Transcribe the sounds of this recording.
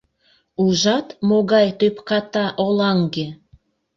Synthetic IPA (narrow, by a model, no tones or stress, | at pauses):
uʒɑt̪moɣɑjt̪øpkɑt̪ɑʔolɑŋɡe